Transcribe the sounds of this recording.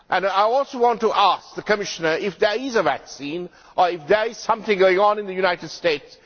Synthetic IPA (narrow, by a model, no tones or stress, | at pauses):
ʔæ̃naɪɔlsowɑ̃ntuʔæsk̚ðəkəmɪʃənə˞ɪfd̪ə˞ɪzəvæ̰ksĩn | ʔəɹɪfðəɹɪz̥sʌ̃mθɪ̃ŋɡoɪ̃ŋɔ̃nɪ̃nðəjunaɪtɨdsteɪts